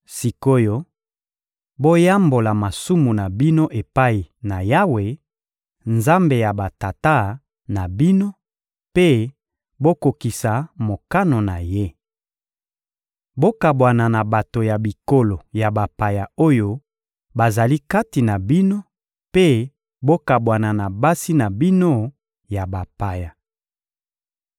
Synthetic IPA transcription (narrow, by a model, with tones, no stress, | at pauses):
si˨ko˦jo˦ | bo˦ja˦mbo˨la˨ma˨su˦mu˨na˨bi˦no˦ʔe˨pa˦i˨na˨ja˦we˨ | nza˦mbe˨ja˨ba˨ta˨ta˦ | na˨bi˦no˦ | pe˦ | bo˦ko˨ki˨sa˨mo˨ka˦no˨na˨je˦ | bo˦ka˨bwa˨na˨na˨ba˨to˨ja˨bi˨ko˨lo˨ja˨ba˨pa˨ja˨o˦jo˦ | ba˨za˨li˦ka˦ti˨na˨bi˦no˦ | pe˦ | bo˦ka˨bwa˨na˨na˨ba˦si˦na˨bi˦no˦ | ja˨ba˨pa˨ja˨